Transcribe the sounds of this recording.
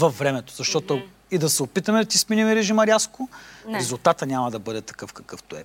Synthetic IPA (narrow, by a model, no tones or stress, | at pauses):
vɐfːɾɛmɛt̪o̥zɐʃt̪ɔt̪ʊ | id̪ɐsɛopit̪ɐmɛd̪ɐt̪isminʲimɛɾɛʒimɐɾjaskʊɾɛzʊlˠt̪at̪ənʲamɐd̪ɐbɤd̪ɛt̪ɐ̥kɤfkɐkɤft̪oɛ̰